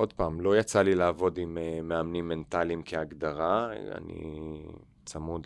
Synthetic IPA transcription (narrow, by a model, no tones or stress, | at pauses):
o̞d̪paːmlo̞jat͡salilaːvo̞dimemeamnimːent̪alimkʰeaɡd̪aʁaa̰nḭ | t͡samud